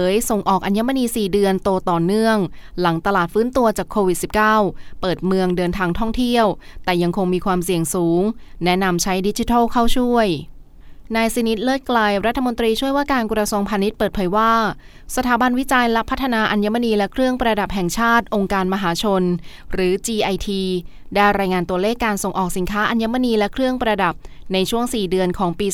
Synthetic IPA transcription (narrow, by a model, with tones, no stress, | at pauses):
ɤː˨˦jso˨˩ŋʔɔː˨˩k̚ʔa˧nja˦˥ma˧niː˧siː˨˩dɯ˧ənt̪oː˧t̪ɔː˨˩nɯ˥˩əŋla˩˦ŋt̪a˧laː˨˩t̪̚fɯː˦˥nt̪u˧ɐt͡ɕaː˨˩kʰːoː˧wi˨˩t̪̚si˨˩p̚kaː˥˩wpɤː˨˩t̪̚mɯ˧əŋdɤː˧nt̪ʰaː˧ŋt̪ʰɔ˥˩ŋt̪ʰi˥˩əwt̪ɛː˨˩ja˧ŋkʰo˧ŋmiː˧kʰwaː˧msi˨˩əŋsuː˩˦ŋnɛ˦˥na˧mt͡ɕʰa˦˥jdi˦˥t͡ɕi˧t̪ʰaː˥˩kʰa˥˩wt͡ɕʰu˥˩əj | naː˧jsi˧ni˦˥t̪̚lɤː˥˩t̪̚klaː˧jɾa˦˥t̪ʰːa˧mo˧nt̪ɾiː˧t͡ɕʰu˥˩əjwaː˥˩kaː˧nkɾa˧su˧əŋpʰaː˧ni˦˥t̪̚pɤː˨˩t̪̚pʰːjwaː˥˩ | sa˧t̪ʰaː˩˦ba˧nwi˦˥t͡ɕa˧jlɛ˦˥pʰa˦˥t̪ʰːa˧naː˧ʔa˧nja˦˥ma˧niː˧lɛ˦˥kʰɾɯ˥˩əŋpɾa˧da˨˩p̚ɦɛ˨˩ŋt͡ɕʰaː˥˩t̪̚ʔo˧ŋkaː˧nma˧ɦaː˩˦t͡ɕʰo˧n | ɾɯː˩˦t͡ɕiː˧ʔa˧jt̪ʰiː˧daː˥˩jɾaː˧jŋaː˧nt̪u˧əleː˥˩kːaː˧nso˨˩ŋʔɔː˨˩k̚si˨˩˦nkʰaː˦˥ʔa˧nja˦˥ma˧˨niː˧lɛ˦˥kʰɾɯ˥˩əŋpɾa˧da˨˩p̚na˧jt͡ɕʰu˥˩əŋsiː˨˩dɯ˧ənkʰɔː˩˦ŋpiː˧